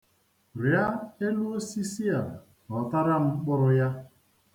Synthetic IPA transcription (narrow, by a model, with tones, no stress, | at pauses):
ɾi˨˦a˦e˦lu˦si˦si˦a˨ | ɔ˨ta˦ɾa˦m̩˦k͡pʊ˦ɾʊ˦ja˦